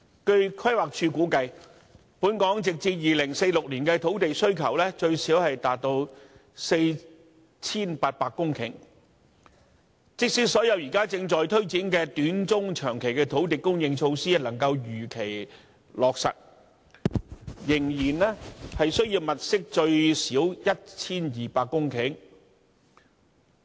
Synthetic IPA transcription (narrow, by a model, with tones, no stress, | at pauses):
kɵ˧ɥkʰwɐ˥jwaː˨k̚t͡ʃʰyː˧kuː˨˥kɐ˧j | puː˨˥nkɔː˨˥ŋt͡sɪ˨k̚t͡siː˧t̚jiː˨lɪ˨˩ŋse˧jlʊ˨k̚liː˨˩nkɛː˧t̪ʰo˨˥wt̪e˨jsɵ˥ɥkʰɐ˨˩wlɛː˥t͡ʃɵ˧ɥsiː˨˥whɐ˨jt̪aː˨t̚t̪o˧w | se˧j | t͡sʰiː˥npaː˧t̚paː˧kːʊ˥ŋkʰɪ̰˨˩ŋ | t͡sɪ˥k̚siː˥t̚sɔː˨˥jɐ˨˧wjiː˨˩kaː˥t͡sɪ˧ŋt͡ʃɔː˨jt̪ʰɵ˥ɥt͡siː˨˥nkɛː˧t̪yː˨˥nt͡sʊ˥ŋt͡ʃʰœː˨˩ŋkʰe˨˩jkɛː˧t̪ʰo˨˥wt̪̬e˨˩kʊ˥ŋjɪ˧ŋt͡ʃʰo˧wsiː˥˨lɐ˨˩ŋkɐ˧wjyː˨˩kʰe˨˩j | lɔː˨k̚sɐ̰˨t̚ | jɪ˨˩ŋjiː˨˩nɛː˥hɐ˨jsɵ˥ɥjiː˧wmɐ˨t̚sɪ˥k̚t͡ʃɵ˧ɥsiː˨˥wjɐ˥t̚t͡sʰiː˥njiː˨paː˧kːʊ˥ŋkʰɪ˨˥ŋ